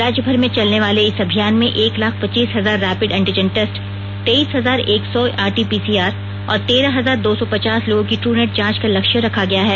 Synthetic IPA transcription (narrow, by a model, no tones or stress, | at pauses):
ɾaːd͡ʒjəbʱəɾmẽt͡ʃɐlneʋaːleɪsɐbʱijaːnmẽʔeːklaːkʰpɐt͡ʃːiːsɦɐzaːɾːɛːpɪɖɛ̃ɳʈɪd͡ʒənʈɛsʈ | t̪eiːsɦɐzaːɾeːksɔaːɾʈiːpiːsiːaːɾ | ɔ̰ːɾt̪eːɾaɦɐzaːɾd̪oːsɔpɐt͡ʃaːsloːɡõkiʈɾuːneːʈ̚d͡ʒãːt͡ʃkalɐkʃjə̃ɾɐkʰaɡɐjaɦɛː